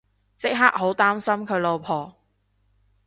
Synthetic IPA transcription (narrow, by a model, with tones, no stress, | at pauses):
t͡sɪ˥k̚ɦaː˥k̚ho˨˥wt̪aː˥msɐ˥mkʰɵ˨˧ɥlo˨wpʰɔː˨˩